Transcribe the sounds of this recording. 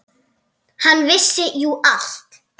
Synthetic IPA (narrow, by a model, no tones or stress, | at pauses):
hanːvɪsːɪjuʔal̥t̪